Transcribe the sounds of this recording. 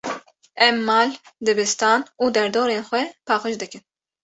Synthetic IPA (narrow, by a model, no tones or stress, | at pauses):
ɛmːɑːld̪ɨbɨst̪ɑːnuːd̪ɛɾd̪oːɾeːnxʷɛpʰɑːxɨʃd̪ɨkɨn